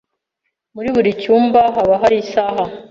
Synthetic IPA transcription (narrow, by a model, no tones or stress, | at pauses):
muɾiβuɾicuːmbaɦaβaɦaɾisaːɦa